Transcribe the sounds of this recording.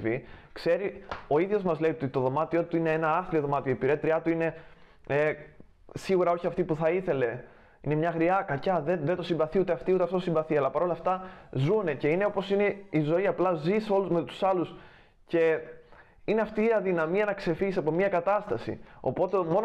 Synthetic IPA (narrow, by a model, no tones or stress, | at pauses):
vikse̞ɾio̞iðʝo̞zmɐzle̞iot̪it̪o̞ðo̞mɐt̪io̞t̪uineenɐɐθlioðo̞mɐt̪io̞ipiɾet̪ɾiɐt̪uine̞ | e | siɣuɾɐo̞çiɐft̪ipuθɐiθe̞le̞ | ine̞mɲɐɣɾiɐkɐcɐðeðet̪osimbɐθiut̪e̞ɐft̪iut̪eɐft̪oosimbɐθiɐlɐpɐɾo̞lɐft̪ɐzune̞ce̞ine̞o̞po̞sine̞izo̞iɐplɐziso̞luzme̞t̪u̥sɐlus | ce̞ | ine̞ɐft̪iːɐðinɐmiɐnɐkse̞fiʝisɐpo̞miɐkɐt̪ɐst̪ɐsḭo̞̰po̞t̪e̞mo̞n